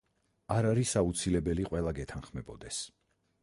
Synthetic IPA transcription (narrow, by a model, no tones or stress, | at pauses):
aɾaɾisaut̪sʰilɛbɛliqʼwɛlˠaɡɛt̪ʰanχmɛbɔd̪ɛs